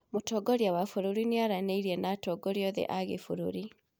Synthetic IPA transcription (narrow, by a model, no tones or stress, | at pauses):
motɔɡɔɾjawafuɾoɾineaɾaneiɾiɛnatɔːɡɔɾjɔðɛ̰ʔaɣefuɾo̰ɾi